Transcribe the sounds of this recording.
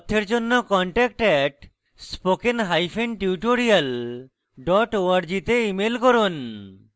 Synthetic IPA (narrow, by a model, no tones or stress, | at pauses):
t̪ʰːeɾd͡ʑonːokɔɳʈɛk̚ʈɛʈ | spokenɦajfʰenʈiuʈoɾijal | ɖɔʈoaɾd͡ʑit̪eimelkɔɾon